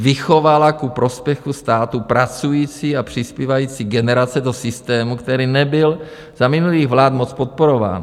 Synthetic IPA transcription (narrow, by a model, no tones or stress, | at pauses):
vɪxovalakupɾo̞spjɛxust̪aːt̪upɾat͡sujiːt͡siːapr̝̥ɪspiːvajiːt͡siːɡɛnɛɾat͡sɛdo̞sɪst̪ɛːmukt̪ɛɾiːnɛbɪl | z̥amɪnuliːɣvlaːt̪mot͡spot̪̚poɾo̞va̰ːn